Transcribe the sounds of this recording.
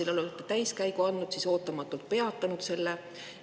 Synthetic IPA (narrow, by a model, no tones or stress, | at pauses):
ilolut̪ːˑet̪æjskæjɡuɑnːud̪̥siso̞ːt̪ːˑɑmɑt̪ːˑult̪̚pe̞ɑt̪ːˑɑnud̪̥se̞lːe